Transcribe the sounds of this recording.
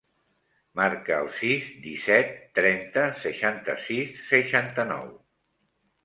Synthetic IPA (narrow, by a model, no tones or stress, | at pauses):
maɾkə̰ːlˠsizd̪isɛt̪ːɾɛnt̪əsəʃant̪ə̰sisːəʃant̪ənɔ̰w